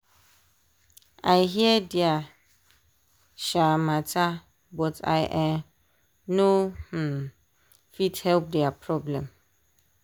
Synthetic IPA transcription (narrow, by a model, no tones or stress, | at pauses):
aɪɦiɛdɪa | ʃamãtʰa | bɔtʰa̰ɪʔɛ̃m | no | fidhɛlp̚dɛapʰɹɔblɛ̃m